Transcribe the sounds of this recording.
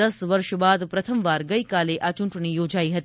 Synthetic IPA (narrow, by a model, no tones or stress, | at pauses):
ɐsʋɐɾʃbaːd̪pɾɐt̪ʰəmʋaːɾɡɐikaːleʔaːt͡ʃuɳʈəɳ̃ijoːd͡ʒaːiɦɐt̪